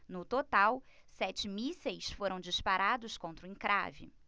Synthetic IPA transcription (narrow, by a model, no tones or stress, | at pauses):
nʊt̪ot̪awsɛt͡ʃɪmisejsfoɾɐ̃w̃d͡ʒispaɾad̪ʊskõnt̪ɾʊĩŋkɾa̰vɪ̰